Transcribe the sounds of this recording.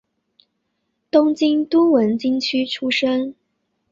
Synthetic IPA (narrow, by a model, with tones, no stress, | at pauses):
t̪ʊ˥ŋt͡ɕi˥ŋt̪u˥wə˧˥nt͡ɕi˥ŋt͡ɕʰy˥ʈ͡ʂʰu˥ʂə˥ŋ